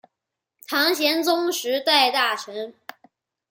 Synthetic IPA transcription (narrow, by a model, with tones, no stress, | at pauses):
t̪ʰɑ˧˥ŋɕjɛ˧˥nt͡sʊ˥ŋʂɻ̩˧˥t̪a˥˧ɪt̪a˥˩ʈ͡ʂʰɤ˧˥ŋ